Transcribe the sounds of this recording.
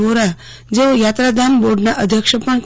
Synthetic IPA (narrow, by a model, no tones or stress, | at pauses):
oɾa | d͡zeʋəjat̪ɾad̪amboɽɳaʔəd̪ʱjəkʂəpəɳk